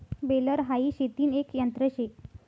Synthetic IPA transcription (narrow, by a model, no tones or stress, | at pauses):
beləɾɦaiːɕet̪iːnekjənt̪ɾəɕek̚